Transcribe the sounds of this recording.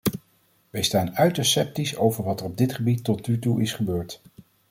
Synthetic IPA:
ʋɛjstaːnœɥtəɹsɛp̚tisowvəɹʋɑtərɔb̚dɪtχəbitːɔtnytuʔɪsχəbøːɹt

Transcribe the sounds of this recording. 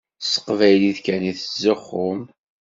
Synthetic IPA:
sə̥qvæjliðkæniθəzːəχːʊm

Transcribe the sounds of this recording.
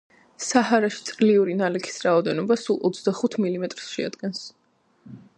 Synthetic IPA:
sahaɾaʃi̥t̪sʼɾliuɾinalɛkʰi̥sɾaɔd̪ɛnɔbasulˠʔɔt̪sʰd̪aχut̪ʰmilimɛt̪ʼɾsʃɛa̰d̪̥ɡɛns

